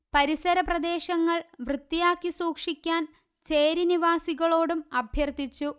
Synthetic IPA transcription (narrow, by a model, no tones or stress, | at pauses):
pɐɾisɐɾɐprɐd̪e̞ːɕɐŋːɐɭʋrɨt̪ːijaːkːisuːkʂikʲːaːn | t͡ɕe̞ːɾiniʋaːsiɣɐɭo̞ːɽumɐbʱjɐrt̪it͡ɕːu